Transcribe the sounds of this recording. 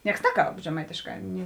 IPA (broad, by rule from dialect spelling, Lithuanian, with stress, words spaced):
ˈnʲiɛks ˈnʲæːˌkɐlˠp ʒʲɛˈmɐɪtʲeːʃˌkɑː nʲɪ